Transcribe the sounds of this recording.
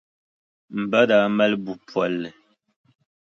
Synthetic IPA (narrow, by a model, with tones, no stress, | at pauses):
m̩˨bə˦da˨˦mɛ˦lbu˨pwɛ˨˦lːɛ˨